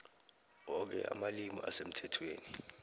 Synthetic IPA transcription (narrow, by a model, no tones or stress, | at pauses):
ɔk̬ɛ̰a̰malimɔʔa̰sem̩tʰɛtʰweːni